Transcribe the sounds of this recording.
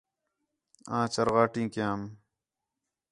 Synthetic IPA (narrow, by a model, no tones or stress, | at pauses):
ãːt͡ɕɐɾɣaːʈĩːkjãːm